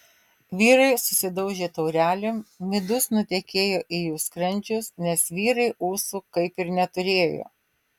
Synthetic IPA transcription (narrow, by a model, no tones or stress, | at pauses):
ʋʲiːɾɐɪsʊsʲɪd̪ɐʊʒʲeːt̪ɔʊɾʲæːlʲemmʲɪd̪ʊsnʊt̪ʲɛkʲeːjoːʔijuːskɾɐnʲd͡ʒʲʊsnʲɛsʋʲiːɾɐɪʔuːsukɐɪpɪɾnʲɛt̪ʊɾʲeːjo̰ː